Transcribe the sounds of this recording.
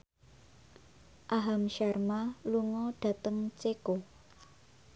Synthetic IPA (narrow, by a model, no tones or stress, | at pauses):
ʔaɦamʃɛrmaluŋɔɖ̥ä̤t̪əŋt͡ʃeko